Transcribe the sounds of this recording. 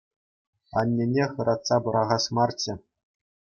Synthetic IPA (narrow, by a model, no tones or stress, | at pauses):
ɑ̰nʲːenʲeχɤ̆ɾʔɑt̪sɑbɤ̆ɾɑʁɑsmɑrt͡ɕɘ̆